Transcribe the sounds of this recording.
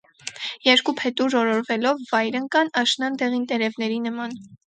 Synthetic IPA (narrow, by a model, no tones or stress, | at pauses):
jɛɾkupʰɛt̪uʒɔɾɔɾvɛlɔvːɑjɾəŋkɑnɑʃnɑnd̪ɛʁint̪ɛɾɛvnɛɾinəmɑn